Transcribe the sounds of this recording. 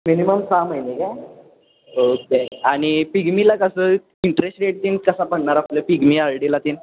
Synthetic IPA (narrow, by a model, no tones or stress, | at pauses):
miniməmsaməjneka | okeaɽ̃ipiɡmilakəsə | iɳʈɾesʈɾeʈ̚t̪inkəsapəɳɳaɾapləpiɡmiaɭɽilat̪iːn